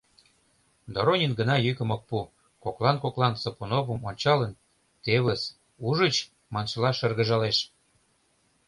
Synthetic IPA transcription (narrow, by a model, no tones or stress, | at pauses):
d̪oɾonʲinɡə̆nɑjykə̆mok̚pu | koklˠɑnkoklɑnsopunovəmonʲt͡ɕɑlən | t̪eβə̆s | uʒə̆t͡ɕ | mɑnʃɤlɑʃə̆rɣə̆ʒɑleʃ